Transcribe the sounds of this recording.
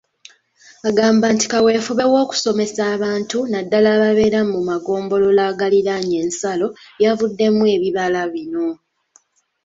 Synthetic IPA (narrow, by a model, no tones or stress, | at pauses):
aɡaːmbaːnti̥kawe̞ːfuβe̞wo̞ːku̥so̞me̞saːβaːntunadːalaβaβe̞ːɾamumaɡo̞ːmbo̞lo̞laːɡaliɾaɲe̞ːnsalo̞javudːe̞mue̞ːβiβalaβino̞